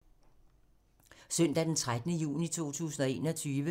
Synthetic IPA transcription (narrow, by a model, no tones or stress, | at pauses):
sœn̰d̥æd̥ent͡sʰʁad̥nəjṵːnit͡sʰo̝̰ːt͡sʰṵːsn̩ɒ̽e̝̰ːnɒ̽t͡sʰyːʋə